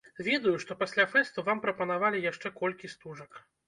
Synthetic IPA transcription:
vʲeɛd̪ujuʂt̪ɔpasʲlʲafɛst̪uvampɾɐpɐnavalʲijaʂt͡ʂɛkɔlʲkʲist̪uʐɐk

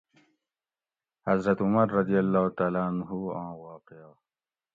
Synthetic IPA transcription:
hɐzɾɐt̪ʊmɐɾːɐd̪ijɐlːaːt̪aːlanɦuãːwɑːqea

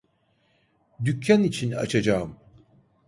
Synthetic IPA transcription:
d̪ycʰːanit͡ʃʰina̰t͡ʃʰad͡ʒaːɯm

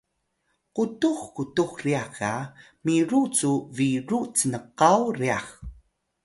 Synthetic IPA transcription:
qutuxkutuxriaxa | miɾut͡suviɾut͡sənəqawriax

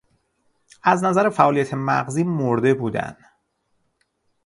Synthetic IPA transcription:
æznæzæɾefæʔɒːlijæt̪ʰe̞mæɣziːmoɾd̪e̞buːd̪æ̰nd̪̥

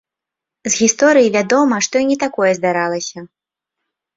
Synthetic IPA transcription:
zɣʲist̪ɔɾɨjivʲad̪ɔmɐʂt̪ɔjinʲɛt̪akɔjɛzd̪aɾalˠɐsʲɐ

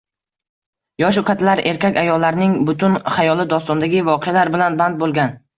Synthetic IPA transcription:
jɒʃ̬ʊkʲʰat̪ʰlaɾʔe̞ɾkʲakʲajɒlːaɾnɪŋbʊt̪ʰʊnχajɒlˠɪd̪ɒst̪ɒnd̪aɡʲɪvɒqʰejalaɾbɪlanband̪̚bolˠɡʲan

